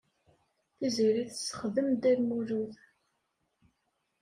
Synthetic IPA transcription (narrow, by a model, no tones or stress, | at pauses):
θiziɾiθəsːə̥χðəmd̪æɾmuɾuθ